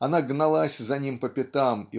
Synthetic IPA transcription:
ɐnaɡnɐlˠasʲzɐnʲimpəpʲɪt̪ami

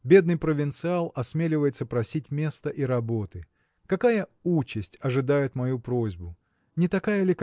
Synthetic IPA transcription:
bʲe̞d̪nɨjpɾəvʲɪnt̪sɨalˠɐsmʲelʲɪvəjɪt̪səpɾɐsʲitʲmʲe̞st̪əʔiɾɐbot̪ɨ | kɐkajəut͡ɕːɪsʲtʲɐʐɨd̪ajɪt̪mɐjupɾozʲbʊ | nʲɪt̪ɐkajəlʲɪk

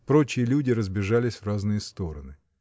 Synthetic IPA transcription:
pɾo̞t͡ɕɪjəlʲudʲɪɾəzbʲɪʐalʲɪsʲvraznɨjəst̪o̞ɾənɨ

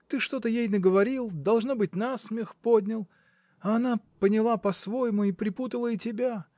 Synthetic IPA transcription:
t̪ɨʂt̪o̞t̪əjejnəɡəvɐɾʲilˠd̪ɐlˠʐnobɨtʲnasmʲɪxpo̞dʲnʲɪlˠ | ɐːnapənʲɪlˠapɐsvo̞jɪmʊipɾʲɪput̪əlˠəitʲɪbʲa

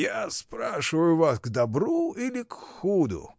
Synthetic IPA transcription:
jaspɾaʂɨvəjʊvasɡd̪ɐbɾuilʲɪkxud̪ʊ̰

